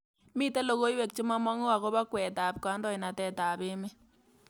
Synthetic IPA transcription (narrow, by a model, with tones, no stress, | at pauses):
miː˦te˦lo˨ɣo˦jwɛ˨k̚t͡ʃi˦ma˦mɔ˦ŋo˦wa˨ko˦ba˦kwɛ˨ta˨p̚ka˨˦ndɔ˦i˨na˨tɛ˨ta˨be˦me˦